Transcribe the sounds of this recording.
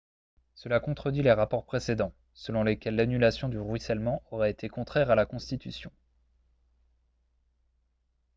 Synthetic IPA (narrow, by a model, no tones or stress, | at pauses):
səlakɔ̃t̪χəd̪ɥileʁapɔʁpχesed̪ɑ̃ | səlɔ̃lekʲɛlːanylasjɔ̃d̪yʁwɥisɛlmɑ̃ʔɔʁɛet̪ʰekɔ̃t̪χɛʁalakɔ̃st̪it̪ysjɔ̃